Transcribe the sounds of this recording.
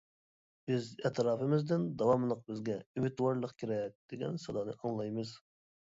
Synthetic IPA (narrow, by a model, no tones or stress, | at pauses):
bøzɛt̪ɾɑːpɨmɪzd̪ɪnd̪ɑwɑmlˠəq̚bɪzɡʲɛymɪt̪wɑɾlˠəqkʲʰiɾɛk̚ʲd̪̥eɡʲɛ̰nsɑd̪ɑnɨʔɑŋlˠɑjmɨz